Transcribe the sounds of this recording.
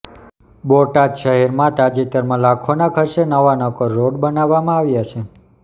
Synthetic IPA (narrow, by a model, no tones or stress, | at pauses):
boʈad̪ʃəɦɛɾmãt̪ad͡ʒit̪əɾmãlakʰonakʰəɾʃenəʋanəkɔɾːoɖbənaʋːamãaʋjat͡ʃʰe